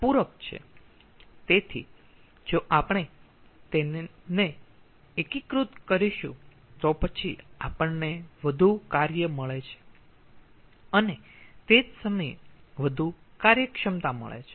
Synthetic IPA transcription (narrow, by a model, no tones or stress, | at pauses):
puɾək̚t͡ʃʰḛ | t̪et̪ʰḭ | d͡ʒoʔapɳ̃e | t̪ene | ekikɾut̪kəɾiʃṵ̃ | t̪opət͡ʃʰiapəɳːeʋəd̪ʱukaɾjəməɭet͡ʃʰe̥ | ənet̪ed͡ʒsəməjʋəd̪ʱu | kaɾjəkʃəmt̪amə̰ɭḛt͡ʃʰe